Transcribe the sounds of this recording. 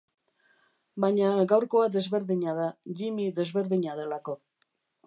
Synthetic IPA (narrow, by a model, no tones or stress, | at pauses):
baɲaɡawɾko̞aðe̞zβe̞ɾðiɲaðaʎimiðe̞zβe̞ɾðiɲaðe̞lako̞